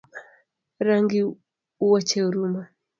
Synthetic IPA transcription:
ɾaŋɡi | uwat͡ʃɛuɾuma

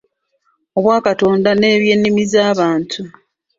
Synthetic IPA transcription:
o̞βwaːkato̞ːndane̞ːβje̞ːnːimizaːβaːntʰu

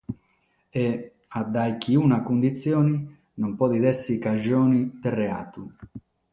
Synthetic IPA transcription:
e | ad̪ajk̟iunakund̪it̪sːjɔːni | nompɔd̪id̪ɛsːikad͡ʒoːnit̪erea̰ːt̪u

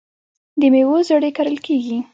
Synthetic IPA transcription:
d̪əmewozaɽekaɾəlkʰeɡi

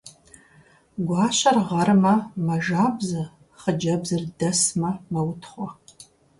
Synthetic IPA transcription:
ɡʷɑːɕɐrʁɐrmɐmɐʒaːbzɐ | χəd͡ʒɐbzɨrdɐsmɐmɐwʊtʰχʷɔ

